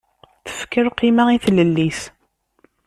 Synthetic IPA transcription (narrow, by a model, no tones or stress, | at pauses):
θə̥fkəɾqːimaiθləlːis